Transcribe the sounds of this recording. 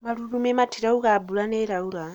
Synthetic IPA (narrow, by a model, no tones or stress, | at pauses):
maluɾumɛmatʰiɾaukabulanɛɾaula